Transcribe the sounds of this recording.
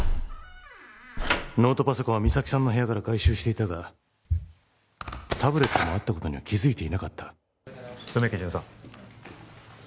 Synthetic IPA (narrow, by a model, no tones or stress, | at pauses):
no̞ːt̪o̞paso̞koβamʲisakʲi̥sãnːoɦe̞jakaɾaɡaiɕɨːɕi̥t̪e̞it̪aɡa | t̪abɯ̟ɾe̞t̪ːo̞moat̪ːako̞t̪o̞ɲ̟iβakʲizɨit̪e̞inakat̪ːḁ | jomekʲed͡ʑĩsã